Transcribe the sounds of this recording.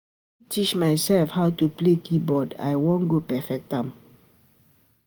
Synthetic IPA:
tʰit͡ʃmaɪsɛlfhaʊtuplekʰibɔda̰ɪwõnɡopɛfɛk̚tãm

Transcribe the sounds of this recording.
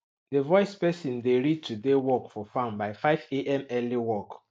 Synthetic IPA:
devɔɪspɛsĩndeɹid̚tʰudewɔkfɔfãmbaɪfaɪveʔɛ̃mɛliwɔk

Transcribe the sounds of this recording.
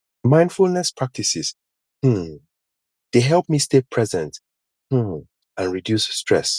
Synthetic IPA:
mãɪ̃ndfulˠnɛspʰɹak̚tʰisɪz | hm̩ | d̥eɦɛlˠp̚mistepʰɹɛzɛ̃nt | hm̩ | ãnɹidjusːtʰɹ̥ɛ̰s

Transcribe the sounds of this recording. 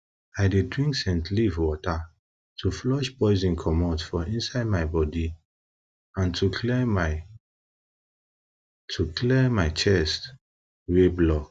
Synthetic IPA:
aɪdedɹĩŋksɛ̃ntlivwɔta | tʰuflɔʃpɔɪzĩnkʰɔmɔtfɔʔĩnsaɪd̚maɪbɔdi | ãntʰukʰlɛma | tʰukʰlɛmaɪt͡ʃɛst | weblɔk

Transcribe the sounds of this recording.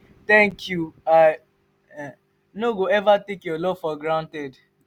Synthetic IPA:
tɛ̃ŋkjua | noɡoɛvatekjolɔfɔɡɾãnted

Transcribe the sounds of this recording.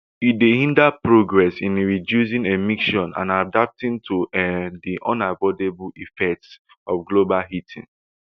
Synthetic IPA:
idehĩndapɹoɡɹɛsĩnɹidjus̬ĩŋemiʃɔ̃nã̰nadap̚tĩntʰudiʔɔ̃nabɔdeblifɛk̚ts | ɔfɡlobalɦitʰḭ̃ŋ

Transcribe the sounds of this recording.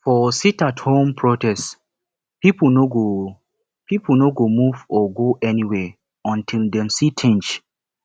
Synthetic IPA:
fɔsitathõmpʰɹotɛst | pipnoɡo | pipnoɡomuvɔɡoʔɛniwɛ | ɔ̃ntʰildɛ̃msitʰĩnt͡ʃ

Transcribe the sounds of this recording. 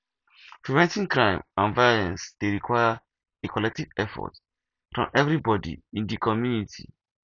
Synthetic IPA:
pʰɹivɛ̃ntĩŋkɹãɪ̃mãnvaɔlɛ̃nsd̥eɹikʰwajə | ekʰɔlɛk̚tivɛfɔ̰t | fɹɔ̰̃mʔɛvɾibɔdḭĩndikʰɔmjunitʰḭ

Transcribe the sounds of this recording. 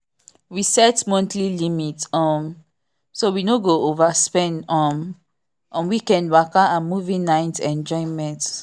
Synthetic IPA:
wisɛtmɔ̃ntʰlilimitɔm | sowinoɡoʔovaspɛ̃ndɔm | ɔ̃mwikɛ̃nwakaãnmuvĩnaɪtɛ̃nd͡ʒɔɪ̃mɛ̃nt

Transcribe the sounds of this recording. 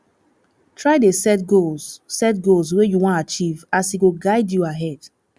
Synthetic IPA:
tʰɹaɪdesɛtɡolzsɛt̚ɡols̬wejuwɔ̃ntat͡ʃivasiɡoɡaɪdjuaɦɛd̥

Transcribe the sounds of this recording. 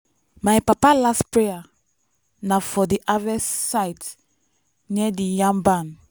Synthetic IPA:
majpapalaspɹeja | nafɔdiʔavɛsaɪt | niɛdijãmbãn

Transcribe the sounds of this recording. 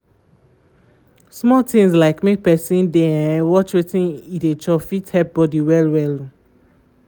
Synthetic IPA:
smɔtĩŋslaɪkmek̚pɛsĩndeɛ̃wɔt͡ʃwetĩnidet͡ʃɔfithɛp̚bɔdiwɛlwɛlu

